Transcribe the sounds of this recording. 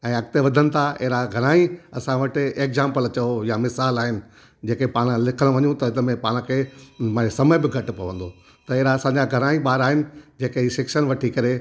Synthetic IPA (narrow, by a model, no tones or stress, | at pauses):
ɛ̃ːɐk̚t̪eʋɐd̪ʱənɪ̆t̪ʰaḛɦɾaɡʱɐɾ̃aːĩɐsãʋɐʈɪeːkzãːmpəlɐt͡ɕɐojamɪsaːlaːɦɪnɪ̆ | d͡ʑeːkepaːɽ̃lɪkʰəɽ̃ʋɐɲũt̪ɐɪnəmẽpaːɽ̃kʰemasɐməbɪɡʱɐʈɪ̆pɐʋə̃n̆d̪o | t̪ɐɪɦɾaːsãːɲd͡ʑaɡʱɐɾ̃aːĩɓaːɾaːɦɪnɪ̆d͡ʑeːkeɦiːʃɪkʃənʋɐʈʰikɐɾe